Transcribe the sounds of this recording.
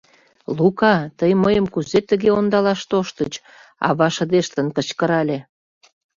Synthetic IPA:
lukɑt̪əjməjəmkuzet̪əɣeond̪ɑlɑʃt̪oʃt̪ət͡ɕ | ɑ̰βɑʃə̆d̪eʃt̪ənkə̆t͡ɕkə̆ɾɑlʲe

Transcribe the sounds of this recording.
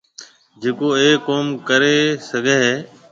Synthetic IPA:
d͡ʒeːkoːeːoːmkəɾeːsəɡʱẽːɦeː

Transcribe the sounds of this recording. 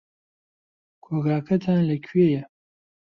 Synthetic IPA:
kʰoɡaːkʰɐt̪ʰanlɐkʰɥejɛ

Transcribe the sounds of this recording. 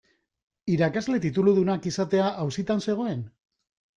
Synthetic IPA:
iɾakazle̞t̪it̪uluðunakisat̪e̞aʔawsit̪anse̞ɣ̞o̞e̞n

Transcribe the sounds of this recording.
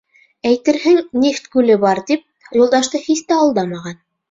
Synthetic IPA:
æjt̪ɘ̆ɾhɘŋnʲeft̪kʉlɘbɑɾt̪ip̚jolˠd̪ɑʃt̪ɤχist̪æɑlˠd̪ɑmɑʁɑn

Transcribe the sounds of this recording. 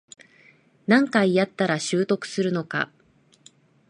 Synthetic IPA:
nãŋkaijat̪ːaɾaɕɨːt̪o̞kɯ̟̥sɨɾɯ̟no̞ka̰

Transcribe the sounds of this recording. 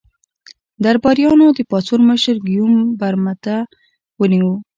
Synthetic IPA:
d̪aɾbɑɾjɑnod̪əpɑt͡suɾməʃəɾɡijumbaɾmat̪a | wəniwu

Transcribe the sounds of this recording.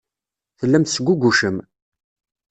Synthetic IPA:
θəlːæmθsəɡʷuɡʷuʃəm

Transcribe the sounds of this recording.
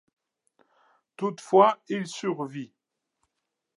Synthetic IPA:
t̪ut̪fwailsyʁvi

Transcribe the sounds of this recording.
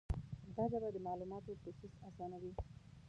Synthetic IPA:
d̪ɑzabad̪əmɑlumɑt̪op̪ʊsusasɑnawi

